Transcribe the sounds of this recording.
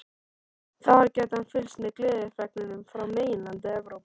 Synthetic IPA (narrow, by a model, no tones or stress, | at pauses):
θaaɾcɛːt̪hanfɪlsnɪklɪːðɪfɛknɪnʏmfɾawmeːjɪnlant̪ɪɛvɾowp